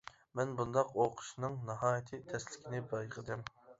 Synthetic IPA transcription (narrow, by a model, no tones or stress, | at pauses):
mɛnbund̪ɑqoqʰʊ̥ʃnɨŋnɨɦɑːjit̪ʰɨt̪ʰɛslɪkʲinɪbɑjʁəd̪ɨm